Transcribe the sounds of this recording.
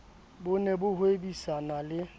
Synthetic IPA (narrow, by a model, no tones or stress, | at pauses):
bʊnɛbʊhʊebisanalɪ